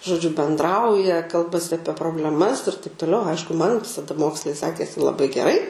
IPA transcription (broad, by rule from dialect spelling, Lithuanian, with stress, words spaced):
ʒoːˈd͡ʒʲʊ bʲɛndˈrɐʊjɛ ˈkɐlˠbɐsʲɪ ɐˈpʲiɛ proːbʲlʲɛˈmɐs ɪr tɐɪp toːˈlʲɛʊ ˈɐɪʃkʊ mɐn tɐˈdɐ ˈmoːkslˠɐɪ ˈsʲæːkʲeːsʲɪ lˠɐˈbɐɪ ɡʲɛˈrɐɪ